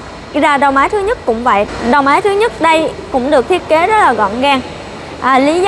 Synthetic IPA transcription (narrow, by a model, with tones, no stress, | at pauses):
zaː˧ɗə˨˩wŋ͡mʔaː˨˦jt̪ʰɨ˨˦ɲə˦˥t̚kʊ̰˧˥ŋ͡mva̰ː˧˨jɗə˨˩wŋ͡mʔaː˨˦jt̪ʰɨ˨˦ɲə˦˥t̚ɗə˧jkʊ̰˧˥ŋ͡mɗɨ˨˩ək̚t̪ʰi˦˥ət̚ke˨˦zə˦˥t̚laː˨˩ɣɔ̰˧˨nɣaː˧ŋ | ʔəː˨˩li˨˦z